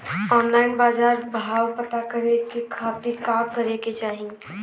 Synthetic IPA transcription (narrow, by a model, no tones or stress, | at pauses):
ɔːnlaɪnbaːd͡ʒaːɾbʱaːwpət̪akəɾekekʰaːt̪ikaːmkəɾeket͡ʃaːɦi